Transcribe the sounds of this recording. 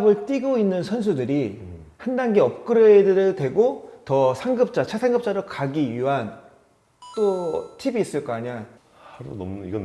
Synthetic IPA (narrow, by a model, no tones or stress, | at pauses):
bɯɭt͈iɡoinːɯnsʰʌns̬ʰudɯɾi | handaŋɡiʌp̚k͈ɯɾʌedɯɾɯɭtwe̞ɡotʌsʰaŋɡɯp̚t͡ɕ͈at͡ɕʰasʰaŋɡɯp̚t͡ɕ͈aɾokaɡiɥiɦan | t͈otʰibiːs͈ɯɭk͈aaɲan | haɾunʌmuiɡʌn